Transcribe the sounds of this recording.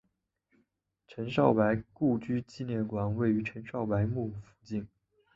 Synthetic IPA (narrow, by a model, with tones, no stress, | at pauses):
ʈ͡ʂʰə˧˥nʂɑ˥˩ʊpa˧˥ɪku˥˩t͡ɕy˥t͡ɕi˥˧njɛ˥˩nkwa˨˩nwe˥˩ɪy˧˥ʈ͡ʂʰə˧˥nʂɑ˥˩ʊpa˧˥ɪmu˥˩fu˧˥t͡ɕi˥˩n